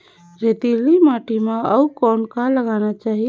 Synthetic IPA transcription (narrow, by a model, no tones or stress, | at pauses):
ɾet̪ilimaʈimãəukɔnkaləɡanat͡ʃaɦi